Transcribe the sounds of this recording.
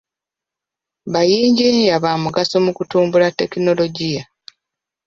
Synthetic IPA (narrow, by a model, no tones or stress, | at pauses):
βajiːɲɟeɲjaβaːmuɡasomukutuːmbulatːe̞kino̞lo̞ɟija